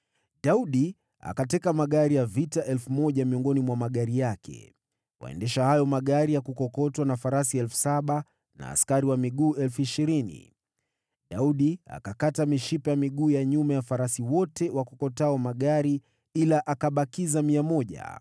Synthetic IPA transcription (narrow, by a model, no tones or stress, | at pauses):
ɗauɗi | a̰katɛkamaɠaɾijavitaʔɛlfumɔʄamiɔŋɡɔnimwamaɠaɾijakʰɛ̰ | wa̰ɛ̰ndɛʃahajɔmaɠaɾijakukɔkɔtwanafaɾasiɛlfu̥saɓa | na̰ːskaɾiwamiɠuːʔɛlfuiʃiɾinḭ | ɗauɗia̰kakatamiʃipajamiɠuːjaɲumajafaɾasiwɔtɛwakɔkɔtaɔmaɠaɾi | ilaʔakaɓakizamiamɔʄa̰